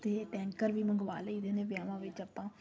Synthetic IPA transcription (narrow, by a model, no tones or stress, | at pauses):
t̪eːʈɛ̃ːŋkəɾʋiːməŋɡʋa̰ːləiːd̪eːneːʋjaːʋãːʋɪt͡ʃapãː